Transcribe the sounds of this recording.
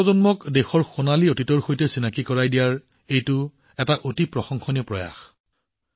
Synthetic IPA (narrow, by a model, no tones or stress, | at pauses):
ɔzɔnmɔkdexɔɹxʊnaliotitɔɹxojtɛsinakikɔɹajdijaɹ | ejtʊ | ɛtaʔotipɹɔxɔŋxɔnipɹɔja̰x